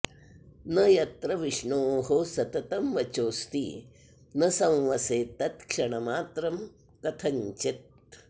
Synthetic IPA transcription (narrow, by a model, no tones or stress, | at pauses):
nɐjɐt̪ɾɐʋiʂɳoːɦosɐt̪ɐt̪ɐmʋɐt͡ʃoːst̪ḭː | nɐsɐ̃wʋɐseːt̪ɐt̪kʂɐɳɐmaːt̪ɾɐm | kɐt̪ʰɐɲt͡ʃit̪̚